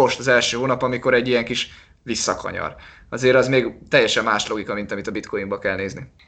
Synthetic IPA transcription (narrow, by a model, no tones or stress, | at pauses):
oʃt̪ɒzɛlʃøːɦoːnɒpɒmiko̞ɾɛɟːijɛŋkiʃ | ʋisːɒkɒ̰ɲɒ̰r | ɒzeːɾɒzmeːɡt̪ɛjːɛʃɛmːaːʃlo̞ɡikɒmint̪ɒmit̪ɒbit̪kʰojimbɒkɛlneːzni